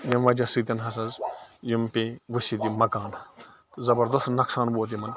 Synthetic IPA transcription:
jɐmʋɐd͡ʒɐsit̪ʲɐnɦɐs̬ɐzjimpeʋɨsid̪imɐkaːn | zɐbɐɾd̪ɐst̪nɐksaːnboːt̪̬imɐn

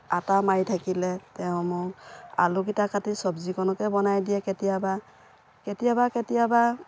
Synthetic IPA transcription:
atamajtʰakilɛtɛʊ̃mʊa̰lukitakatisɔbzikɔnɔkɛbɔnajdijɛkɛtijaba | ketijabaketijaba

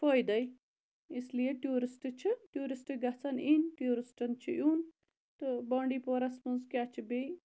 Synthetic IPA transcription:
foːjd̪ɐj | islijeʈjuːɾisʈɨt͡ʃʰiʈjuːɾisʈɨɡɐt͡sʰɐniːnʈjuːɾisʈɐnt͡ʃʰijuːn | t̪ɨbãːɳɖiːpoːɾɐsmuzkʲaːt͡ʃʰibej

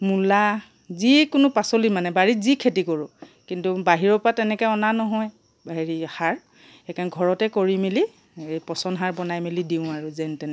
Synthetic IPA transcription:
mula | zikʊnʊpasolimanɛbaɹizikʰetikɔɹʊkintubaɦiɹɔpatɛnɛkɛɔnanɔɦɔj | baɦiɹihaɹ | ɛkanɡʱɔɹɔtɛkoɹimili | ejpɔsɔnɦaɹbɔnajmilidiʊ̃aɹuzɛntɛnɛ

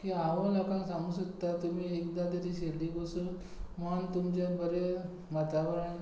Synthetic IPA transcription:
kiaʋəlɔkãnsãŋɡusəkt̪ːat̪umiːekd̪at̪əɾiɕelːiːɡosun | mənt̪umd͡ʑabəɾe | mət̪aʋɾəɳ

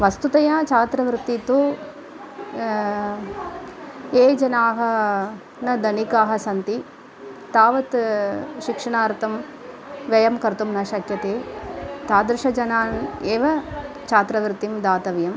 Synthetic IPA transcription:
ʋɐst̪ut̪ɐjaːt͡ʃaːt̪ɾɐʋɾɪt̪ːit̪u | eːd͡ʒɐnaːɦɐ | nɐd̪ɐnikaːɦɐsɐnt̪i | t̪aːʋɐt̪ʃikʂɐɳaːɾt̪ɐm | ʋɐjɐmkɐɾt̪umnɐʃɐkjɐt̪eːt̪aːd̪ɾɪʂɐd͡ʒɐnaːneːʋɐ | t͡ʃaːt̪ɾɐʋɾt̪imd̪aːt̪ɐʋjɐm

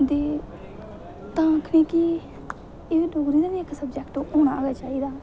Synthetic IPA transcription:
d̪eː | t̪ãːkʰəniːkiː | eːʋiːloːɡɾiːd̪aːʋiːɪksəbd͡ʒɛkʈːoːɽ̃aːɡaːt͡ʃaːiːd̪aː

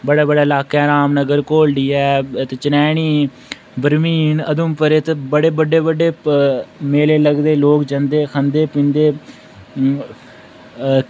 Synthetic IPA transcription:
bəɽaːbəɽaːɪlaːkɛːɾaːmnəɡəɾkoːlɖiːɛːt̪eːt͡ʃənɛːɳiː | bəɾmiːnəd̪ʊmpəɾeːt̪ebəɽeːbəɖeːbəɖeː | meːleːləɡd̪eːloːkd͡ʒənd̪eːkʰənd̪eːpɪ̃nd̪eː

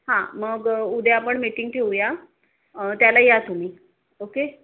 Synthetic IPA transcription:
ɦãməɡud̪ʱjapəɳmiʈiŋɡʈʰeuja | ət̪jalajat̪um̤iː | oke

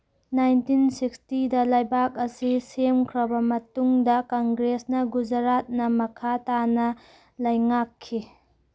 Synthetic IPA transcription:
najntinsikstidɐlajbak̚ɐsisemkʰɾɐbɐmɐtuŋdɐkɔŋɡɾesnɐɡud͡ʒɐɾat̚nɐmɐkʰatanɐ | lɐjŋakʰːi

